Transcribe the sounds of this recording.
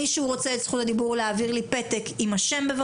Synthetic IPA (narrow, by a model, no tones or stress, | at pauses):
iʃeuʁo̞t͡seetsχutad̪ibuʁleaviʁlipet̪ekimaʃe̞mbeva